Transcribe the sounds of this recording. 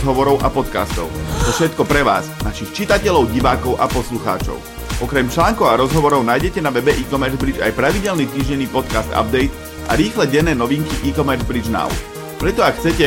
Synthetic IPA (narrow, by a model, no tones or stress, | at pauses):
ɦɔʋɔɾɔʊʔapɔt̪ka̰st̪ɔ̰ʊt̪ɔfʃɛt̪kɔpɾɛʋa̰ːznaʃixt͡ʃit̪acɛlɔʊɟiʋaːkɔʊʔa̰pɔsluxa̰ːt͡ʃɔ̰ʊ | ʔɔkɾɛmt͡ʃlaːŋkɔʊaɾɔzɦɔʋɔɾɔʊnaːjɟɛcɛnaʋɛbɛʔiːkɔmɛɾzbɾid͡ʒa̰jpɾaʋiɟɛlnit̪iːʒɟɛnːiːpɔt̪kast̪a̰b̚d̪ɛjt̪ | ʔa̰ɾiːxlɛɟɛnːɛːnɔʋiŋkiʔiːkɔmɛɾzbɾid͡ʒna̰ʊ̰ | pɾɛt̪ɔakxːt͡sɛcɛ